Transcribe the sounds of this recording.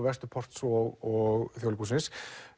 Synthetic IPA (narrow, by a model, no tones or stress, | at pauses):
vɛrst̪ʏpʰɔr̥t̪svɔɣɔɣθjowlɪpʰusɪnsk